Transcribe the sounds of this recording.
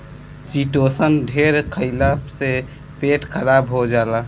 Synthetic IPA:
t͡ʃiʈosəndʱeɾkʰəɪlapse | peʈkʰəɾabɦod͡ʒala

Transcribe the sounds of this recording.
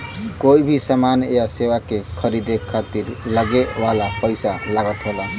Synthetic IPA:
koibʱisəmanejasewakekʰəɾid̪ekʰːat̪iɾləɡewalapəjsalaɡət̪ɦola

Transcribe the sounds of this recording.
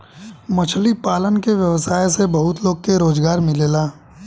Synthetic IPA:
mɐt͡ʃʰlipaːlənkeʋjɐʋsaːjsebɐɦʊt̪loːɡkeɾoːzɡaːɾmɪleːlaː

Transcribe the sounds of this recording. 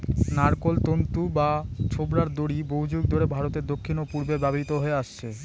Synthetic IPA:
naɾkolt̪ont̪ubat͡ɕʰobɾaɾd̪oɽibowd͡ʑuɡ̚d̪ʱoɾebʱaɾot̪eɾd̪okʰːinopuɾbebɛboɾit̪oɦoeaʃt͡ɕʰe

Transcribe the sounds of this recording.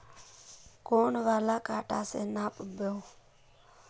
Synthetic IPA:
koːɳʋaːlaːkaːʈa̰ːseːnaːpbʱoː

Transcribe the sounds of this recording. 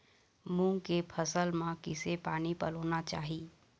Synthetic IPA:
mũːŋkepʰəsəlmãkɪsepaːnipəloːnat͡ʃaːɦiː

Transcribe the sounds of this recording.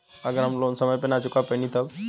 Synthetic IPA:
ɐɡəɾamlonsəməjpenat͡ʃukapəjnit̪əb

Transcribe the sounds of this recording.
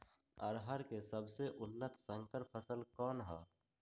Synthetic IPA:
əɾɦəɾkesəbseʔʊnːət̪sə̃ŋkəɾpʰəsəlkɔːnɦɛ̰ː

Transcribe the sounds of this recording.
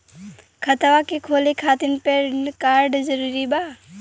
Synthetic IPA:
kʰət̪ʋakekʰolikʰat̪inpekaɾɖd͡ʒəɾuɾiba

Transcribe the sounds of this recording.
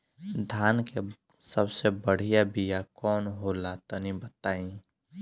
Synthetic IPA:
d̪ʱaːnke | səbsebəɽ̤ijabijakɔːnɦolaːt̪ənĩbɐt̪aːĩ

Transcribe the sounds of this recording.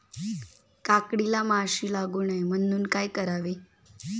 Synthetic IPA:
kakɽilamaɕiːlaɡuːɳəjm̤ənuːnkajkəɾaʋe

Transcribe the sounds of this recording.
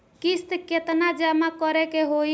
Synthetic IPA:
kist̪ket̪nad͡ʒamakɔɾɛkeɦoj

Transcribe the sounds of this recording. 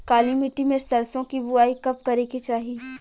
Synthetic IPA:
kaːlimiʈimẽsɐɾsõkibʊaːikɐp̚kɐɾekit͡ʃaːɦi

